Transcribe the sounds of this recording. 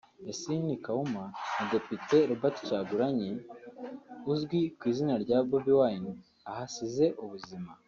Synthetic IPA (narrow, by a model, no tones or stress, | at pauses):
esinikaumanade̞pite̞ɾubati̥t͡ʃaːɡuɾaɲe | uzɡwikwiːzinaɾɟaːbobiwaini | ahasize̞ʔuβuzima